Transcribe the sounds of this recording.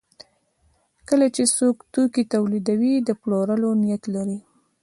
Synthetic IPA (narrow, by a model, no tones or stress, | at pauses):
kəlat͡ʃesokt̪okit̪awlid̪awid̪əploɾəlonijat̪laɾi